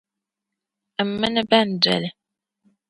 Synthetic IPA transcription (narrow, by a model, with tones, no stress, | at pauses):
ə˨mːə˦nə˦bɛ˦˨n˨dɛ̰˨lɛ˨